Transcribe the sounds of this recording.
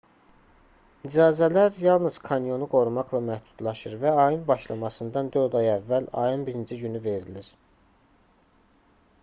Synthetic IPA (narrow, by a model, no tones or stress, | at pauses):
nid͡ʒɑːzælæɾjɑlˠnɯz̥kʰɑnjo̞nuɡo̞ɾumɑqlˠɑmæhd̪ud̪̥lˠɑʃɯɾvæɑjɯnbɑʃlˠɑmɑsɯnd̪ɑnd̪øɾd̪ɑjævːælɑ̰jɯnbiɾind͡ʒiɟynyve̞ɾiliɾ̥